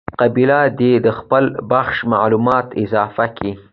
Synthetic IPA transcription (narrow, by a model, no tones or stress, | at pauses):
qabilad̪ed̪əxpəlbaxʃmaʕlumɑt̪ɪzɑfaki